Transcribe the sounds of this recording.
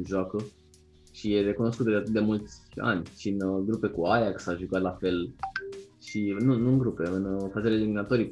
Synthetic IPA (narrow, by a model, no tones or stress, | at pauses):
ʒoakə | ʃijere̞kuno̞skut̪d̪eat̪ɨt̪d̪e̞mult̪sʲa̰nʲt͡ʃiɨnɡɾupe̞kuajaksaʒukat̪lafe̞l | ʃinunuɨŋɡɾupe̞ɨnfazeleliminat̪o̞ɾi